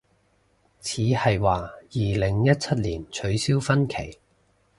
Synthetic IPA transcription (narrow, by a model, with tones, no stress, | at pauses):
t͡sʰiː˨˧hɐ˨jwaː˧jiː˨lɪ˨˩ŋjɐ˥t̚t͡sʰɐ˥t̚liː˨˩nt͡ʃʰɵ˨˧ɥsiː˥wfɐ˥nkʰe˨˩j